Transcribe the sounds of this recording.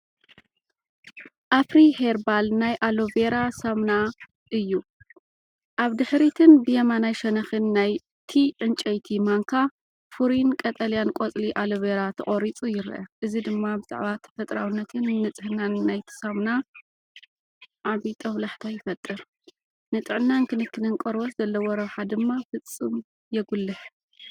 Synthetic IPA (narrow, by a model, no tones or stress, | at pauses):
ʔafɾiheɾbalnajʔaloveɾasamna | ʔɨjːu | ʔaβd̪ɨħɾit̪ʰɨnbɨjɐmanajʃɐnɐxɨnːaj | t̪ʰiʕɨnt͡ʃʼɐjt̪ʰimaŋkʰa | fuɾinkʼɐt̪ʼɐlijankʼot͡sʼliʔalɨβeɾat̪ʰɨχʼoɾit͡sʼujɪɾ̰ʔɐ̰ʔɨzid̪ɨmːabɨz̥a̰ʕβat̪ʰɐ̥fɐt̪ʼɾawɨnːɐt̪ʰɨnːɨt͡sʼɨhnanːajt̪ʰɨ̥samna | ʕaβit̪ʼʰɐβlaħt̪ʰajɪfɐt̪ʼːɨɾ | nɨt̪ʼɨʕɨnːankʰɨnɨkʰːɨnɨnkʼɐɾwot̪z̥ɐlːɐwɔɾɐβħad̪ɨmːafɨt͡sʼːɨm | jɛɡulːɨħ